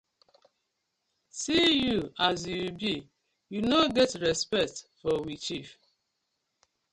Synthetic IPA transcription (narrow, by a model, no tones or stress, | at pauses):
sijuazjubi | junoɡɛtɹɛspɛk̚tfɔwit͡ʃif